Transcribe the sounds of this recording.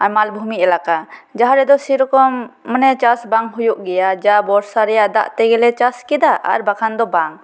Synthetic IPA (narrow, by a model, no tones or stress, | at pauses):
amalbʱumiʔɛlakad͡ʒaɦaɾɛd̪ɔsiɾɔkɔmːənɛt͡ʃasbaŋɦujuʔɡɛjad͡ʒabɔɾsaɾɛjaʔd̪a̰ʔt̪ɛɡɛlɛt͡ʃaskɛd̪aʔa̰ɾbakʰand̪ɔbaŋ